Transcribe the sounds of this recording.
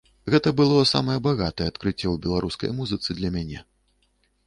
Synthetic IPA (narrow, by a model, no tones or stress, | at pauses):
ɣɛt̪ɐbɨlˠɔsa̰mɐjɛbaɣat̪ɐjɛat̪kɾɨt͡sʲːɛwbʲɛlˠaɾuskɐ̰jmuzɨt̪sɨd̪lʲɐmʲanʲɛ̰